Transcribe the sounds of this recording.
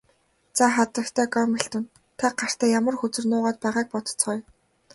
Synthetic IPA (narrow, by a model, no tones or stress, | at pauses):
t͡saχat̪ə̆kt̪ʰæːɡɔmiɬt̪ɘ̆n | t̪ʰaɢar̥t̪ʰæːjamə̆rxɵt͡sɵ̆rnʊːʁaːt̪̚pæːʁaːk̚pɔt̪ɞ̥̆t͡sχɔj